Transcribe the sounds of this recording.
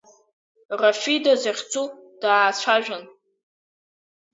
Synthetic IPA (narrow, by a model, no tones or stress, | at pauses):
rafidazaχʲt͡sʰʼud̥aːt͡ɕʷʰaʒᶣʷan